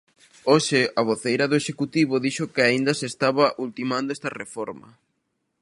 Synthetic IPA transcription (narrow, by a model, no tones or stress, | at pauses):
oʃɪɐβ̞oθejɾɐðoeʃekut̪iβʊðiʃʊkɪaind̪ɐsest̪aβɐʔult̪imãnd̪oest̪ɐrefɔɾmɐ̰